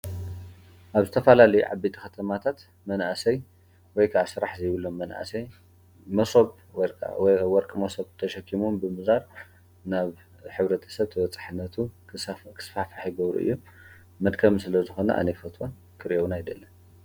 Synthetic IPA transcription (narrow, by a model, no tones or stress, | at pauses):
ʔaβzɨt̪ʰɐfalalɐjuʕa̰bit̪ʼikɐt̪ʰɐmat̪ʰat̪ | mɐnasɐj | wɔjkʰaʔasɨɾaħzɐjβɨlːomːɐnʔa̰sɐj | mɐsoβ̰ | wjwɔɾkʼmɐsoβt̪ʰɐʃɐkʰːimumbɨmɨzaɾ | naβ | ħɨβɾɐt̪ʰɐ̥sɐβt̪ʰɐwɐt͡sʼḁħɨnːɐt̪ʰukʰɨ̥sfafaħjiɡɐβɾṵʔɨ̰jːomː | ɐd̪kʰɐmsɨlɐzɨxo̞nɐ̰ʔa̰nɐjfɐt̪ʰwa | kʰɨɾʔownajd̪ɐlːɐn